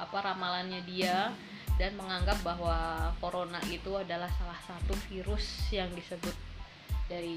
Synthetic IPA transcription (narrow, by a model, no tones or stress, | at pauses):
apaɾamalanɲadia | danməŋaŋɡap̚baɦwakoɾonaʔit̪uadalahsalahsat̪ufiɾʊsjaŋdisəbʊt̪̚ | daɾi